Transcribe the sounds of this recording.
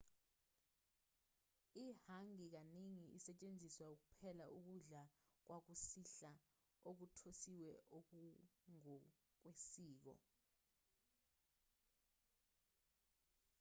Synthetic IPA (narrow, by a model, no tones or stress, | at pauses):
ihaŋik̬aneŋiʔisɛt͡ʃʼend͡zʱiswauk̬upʰɛlaʔuk̬uɮak̬wak̬usiɬa | ok̬utʰosiwɛʔok̬uŋɔ | k̬wesiːk̬ɔ̰